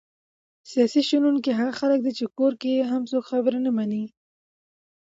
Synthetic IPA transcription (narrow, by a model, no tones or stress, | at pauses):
sijɑsiʃununkeɦaɣaxalək̚d̪et͡ʃekoɾkeɦamsokxabəɾanamani